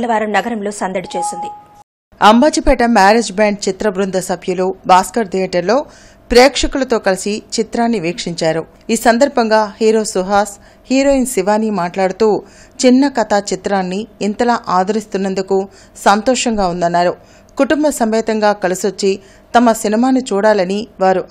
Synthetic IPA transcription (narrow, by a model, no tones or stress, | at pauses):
nɐʋaːɾɐmnɐɡɐɾɐmlo̞ːsɐnd̪ɐɽit͡ʃe̞ːsind̪i | ɐmbaːt͡ʃipɛːʈɐmaːɾed͡ʒbaːɳɖ̚t͡ʃit̪ɾɐbɾund̪ɐsɐbʰʱjɐlubaːskɐɾd̪iɐʈɐɾlo̞ː | pɾɛːkʂɐkulɐt̪o̞ːkɐlisit͡ʃit̪ɾaːnːiʋiːkʂiɲt͡ʃaːɾu | iːsɐnd̪ɐɾbʱɐŋɡaːhiːɾo̞ːsuɦaːs | hiːɾo̞ːinsiʋaːnimaːʈlaːɽut̪uː | t͡ʃinːɐkɐt̪at͡ʃit̪ɾaːnːiːnt̪ɐlaːʔaːd̪ʱɐɾist̪unːɐnd̪uku | sɐnt̪ɔːʂɐŋɡaːund̪ɐnːaːɾu | kuʈumbɐsɐmʋɛːt̪ɐŋɡaːkɐlisʋot͡ʃːi | t̪ɐmɐsinimaːnut͡ʃuːɽaːlɐniʋaːɾu